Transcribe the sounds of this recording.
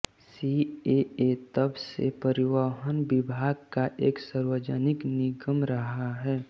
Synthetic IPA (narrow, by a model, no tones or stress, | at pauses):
sieet̪əbsḛpəɾɪʋaɦənbɪbʱaːɡkaʔeːksaɾwəd͡ʒənɪknɪɡəmɾəɦaɦɛː